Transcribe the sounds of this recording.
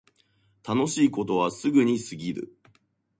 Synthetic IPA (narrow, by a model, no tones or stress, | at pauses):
t̪ano̞ɕiːko̞t̪o̞β̞asɨɡɯ̟ɲ̟isɨɡʲiɾɯ̰